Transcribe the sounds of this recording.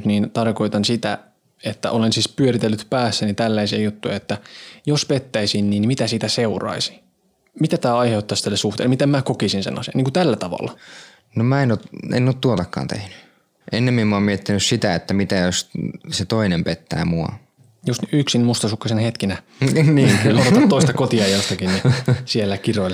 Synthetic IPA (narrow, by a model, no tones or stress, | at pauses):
t̪niːnt̪ɑrkoit̪ɑnsit̪æ | et̪ːæ̰ʔolensiːspyøɾit̪elːyt̪pæːsːænit̪ælːæisiejut̪ːujɑet̪ːæjospet̪ːæisinniːnmit̪æsit̪æseurɑ̰isi̥ | mit̪æt̪æːɑjheut̪ːɑst̪ælːesuht̪ḛːlmit̪emmæːkokisinsḛnɑ̰sḭɑ̰niŋkut̪ælːæt̪ɑʋɑ̰lːɑ | nomæenot̪ḛnːoːt̪t̪uot̪ɑkːɑ̰ːnt̪ḛhny̥ | ʔenːemmimmuɑmmiet̪ːinyssit̪æet̪ːæmit̪æjosset̪oinempet̪ːæ̰ːmuɑ̰ | just̪yksinmust̪ɑsukːɑsenhet̪kinæ | niːotot̪ɑt̪t̪oist̪ɑkot̪iɑjjost̪ɑkinnisielːækiroil